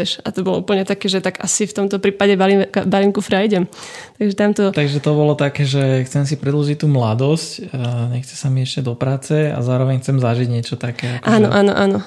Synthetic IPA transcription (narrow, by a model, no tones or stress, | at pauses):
ɛʃa̰t̪ɔbɔlṵːpl̩ɲɛt̪akɛːʒɛt̪aɡa̰sift̪ɔmt̪ɔpɾiːpaɟɛbalimbalimkufɾajɟɛmt̪aɡʒɛt̪amt̪ɔt̪aɡʒɛt̪ɔbɔlɔt̪akɛːʒɛxt͡sɛms̬ipɾɛd̪lɔʒic̚t̪ːuːmlad̪ɔscɲɛxt͡sɛ̥samiɛʃcɛd̪ɔpɾaːt͡sɛa̰zaːɾɔʋɛɲxt͡sɛmzaʒiɟɲɪɛt͡ʃɔt̪akɛːakʔaːnɔ̰ʔaːnɔ̰ʔanɔ